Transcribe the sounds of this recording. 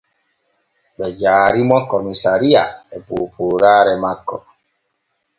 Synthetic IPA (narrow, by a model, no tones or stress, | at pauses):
ɓɛd͡ʒaːɾimɔkɔmisaɾiaɛpuːpʰuːɾaːɾɛmakːɔ